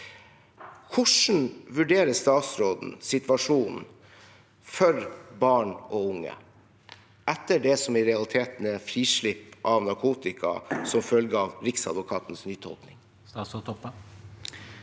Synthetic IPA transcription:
kʰʊʂn̩ʋʉɖeːɾəst̪ɑːt̪sɾoːd̪n̩sɪt̪ʋɑʂuːnn̩ | fɔɾbɑːɳoʊŋːə̰ | ʔɛt̪ːəɖɛsɔmɪɾɛɑlɪt̪ʰeːt̪n̩əfɾiːʂɭɪpʔɑʋnɑɾkʰuːt̪ɪkʰɑ̰sɔmfœlɡəɑʋɾɪksɑ̰d̪ʋʊkʰɑːt̪n̩snyːt̪ʰɔ̰lknɪŋ | ɑsot̪ʰɔpːə

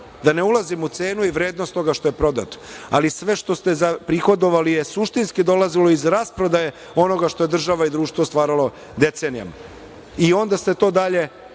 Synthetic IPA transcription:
d̪aneulˠazimut̪se̞ːnuiʋɾe̞ːd̪no̞st̪o̞ɡaʃt̪o̞je̞pɾo̞d̪a̰t̪o̥alisʋe̞ʃt̪o̞st̪ezapɾixo̞d̪o̞ʋalijesuʃt̪inskid̪o̞lazilo̞izɾaspɾo̞d̪aje | o̞no̞ɡaʃt̪o̞je̞d̪r̩ʒaʋaid̪ɾuːʃt̪vʋost̪ʋaːɾalˠo̞ | d̪e̞t̪se̞nija̰ma̰ | io̞nd̪ast̪e̞t̪o̞ːd̪aʎe̞

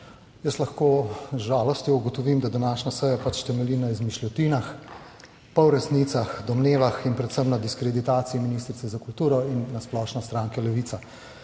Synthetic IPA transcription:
jəslaxkoːzʒaːlɔst̪jɔuɡɔt̪ɔʋiːmd̪ad̪anaːʃnasəjapat͡ʃt̪ɛmɛliːnaizmiʃlʲɔt̪inax | pawɾɛsnit̪saxd̪ɔmneːʋaxinpɾɛt̪səmnad̪iskɾɛd̪it̪aːt̪siiminist̪ɾit̪ɛzakult̪uːɾɔinːasplɔːʃnɔst̪ɾaːŋkɛlɛʋitsa

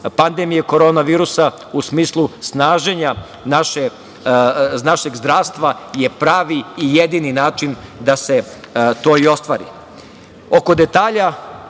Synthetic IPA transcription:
pand̪emijeko̞ɾo̞ːnaʋiːɾusa | usmiːslˠusnaːʒe̞ɲa | naʃe | naʃe̞ɡzd̪ɾaːʋst̪ʋaje̞pɾaːʋiːjed̪ininaːt͡ʃind̪ase̞ | t̪o̞ːio̞st̪ʋa̰ːɾḭ | o̞ko̞d̪e̞t̪aːʎa

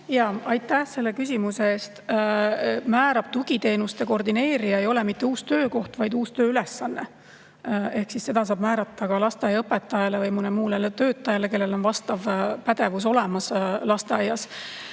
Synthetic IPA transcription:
jɑːɑjt̪ːˑæhse̞lːe̞kys̬ʲimuse̞eːst̪ | mæːɾɑb̥t̪uɡ̥it̪e̞ːnust̪e̞ko̞rd̪ine̞ːɾijɑejo̞le̞mit̪ːe̞uːst̪øːko̞ht̪vɑjd̪uːst̪øːyle̞sːɑnːe̞ | e̞hksisːe̞d̪̥ɑsɑːb̥mæːɾɑt̪ːˑɑkɑlɑst̪eɑjɑɤpet̪ˑːɑjɑle̞vɤjmunemuːlelet̪ø̞ːt̪ˑːɑjɑle̞ke̞lːe̞lo̞nvɑst̪ɑvpæd̪̥e̞vus̬o̞le̞mɑslɑst̪e̞ɑjːɑs

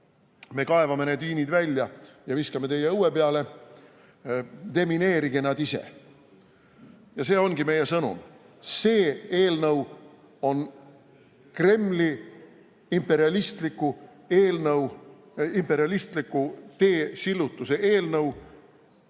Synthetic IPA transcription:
me̞kɑevɑmened̪iːnid̪vælʲːjɑjɑviskɑme̞t̪e̞jːeɤwepeɑle̞ | d̪e̞mine̞ːɾiɡenɑd̪isḛ | jɑse̞ːo̞nɡime̞je̞sɤnṵm | se̞ːe̞ːlnɤw | o̞n | kre̞mːli | impːe̞ɾiɑlist̪likːu | e̞ːlnɤw | impe̞ɾiɑlist̪likːut̪e̞ːsilːut̪ːˑuse̞ʔe̞ːlnɤw

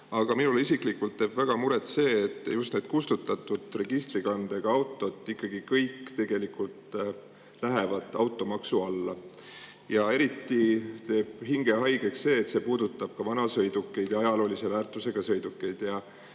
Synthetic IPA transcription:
ɑɡ̥ɑminuleisiklikːult̪ːe̞ːb̥væɡ̥ɑmuɾet̪se̞ːt̪ːˑjust̪ne̞ːd̪̥kust̪ut̪ːˑɑt̪ːˑud̪̥re̞ɡ̥ist̪riɡɑnd̪̥e̞ɡ̥ɑɑwt̪ːˑo̞d̪ːˑikːɑɡ̥ikɤjkːt̪e̞ɡ̥e̞likult̪ | læɦevɑd̪ɑwt̪ˑːo̞mɑksuɑlːɑ | jɑe̞ɾit̪ːit̪e̞ːb̥ɦiŋɡe̞ɦɑjɡ̥e̞ksse̞ːt̪se̞ːpuːd̪ut̪ːˑɑb̥̚kɑvɑnɑsɤjd̪ukˑːe̞jd̪jɑɑjɑlo̞ːlise̞væːrt̪ˑːuse̞ɡ̥ɑsɤ̞jd̪ukːˑe̞jd̪̥jɑ

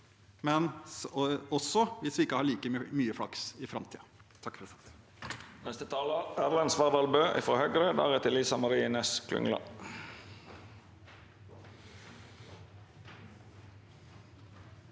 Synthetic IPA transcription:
mɛn | ɔsːɔʋɪsʋɪɪkːəhɑːɭiːkəmyːəfɽɑksɪfɾɑmt̪ʰiːɑ | t̪ʰɑkːfɾɛt̪ | nɛst̪ət̪ʰɑːləæːʁlɑnsʋɑʁd̪ɑlbøːʔɪ̰fɾoːhœɡɾəd̪æ̰ːʁɛt̪ɪlɪːsɑmɑɾiːnɛskʰlʉ̰ŋlɑ̰

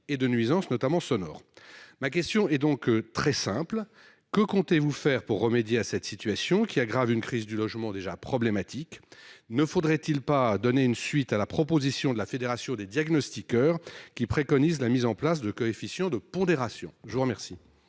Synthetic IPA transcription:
ed̪ənɥizɑ̃snɔt̪amɑ̃sɔnɔ̰ːʁmak̬ʲɛst̪jɔ̃ɛd̪ɔ̃kt̪χɛsɛ̃pl | kəkɔ̃t̪evufɛʁpuʁːəmed̪jeasɛt̪sit̪ɥasjɔ̃kʲiaɡʁavynkχizd̪ylɔʒmɑ̃d̪eʒapχɔblemat̪ʰiknəfod̪ʁɛt̪ilpad̪ɔneynsɥit̪alapχɔpozisjɔ̃d̪əlafed̪eʁasjɔ̃d̪ed̪jaɡnɔst̪ikœʁkʲipχekɔnizlamizɑ̃plas̬d̪əkɔefisjɑ̃d̪əpɔ̃d̪eʁasjɔ̰̃ʒəvuʁəmɛʁsi

